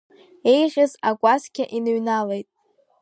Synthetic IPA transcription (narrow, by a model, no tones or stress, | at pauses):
e̞jʁʲɪzaɡʷʼazkʲʰaʔinɨɥnalejtʼ